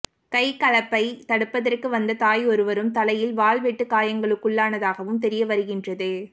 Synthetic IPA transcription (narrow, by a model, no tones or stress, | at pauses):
kɐɪkɐɭɐpːɐɪt̪ɐɽɯpːɐðɐrkɯʋɐnd̪ɐt̪aːjɔɾɯʋɐɾɯmt̪ɐlɐjɪlʋaːlʋɛʈːɯkaːjɐŋɡɐɭɯkːʊɭːaːnɐðaːɣɐʋɯmt̪̬ɛɾɪjɐʋɐɾɯɣɪndrɐðɯ